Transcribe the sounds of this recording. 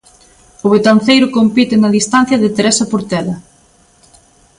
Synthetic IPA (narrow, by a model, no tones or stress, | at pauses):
ʊβet̪ɐn̟θejɾʊkompit̪ɪnɐaðist̪an̟θjɐðɪt̪eɾesɐpoɾt̪ɛlɐ